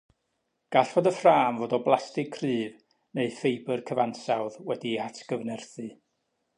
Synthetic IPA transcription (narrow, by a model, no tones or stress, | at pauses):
ɡ̥aɬvodəfraːmvoːdɔblˠastɪkʰːrɨːv | neɨfejbərkʰəvansawðwɛdiatʰɡ̥əvnɛrθɨ